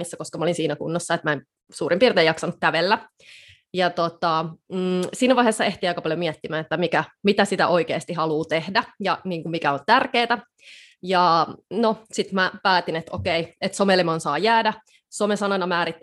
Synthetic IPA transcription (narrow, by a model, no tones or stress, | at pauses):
isːækoskɑmæolinsiːnækṵnːosːɑet̪mæen | suːrʔimpiːrt̪eːjɑksɑnukkæʋelːæ | jɑt̪ot̪ɑ | siːnæʋɑˑiheːsːɑeht̪iɑikɑpɑljomiæt̪ːimæːnet̪ːæmikæmit̪æsit̪æ̰ʔoikḛːst̪ihɑluːt̪ehdæjɑniːŋkummikæont̪ærkeːt̪æ | jɑnosit̪mæpæːt̪inet̪o̰keiet̪somelimɑnsɑːjæːdæ | somesɑnɑnɑmæːɾit̪ː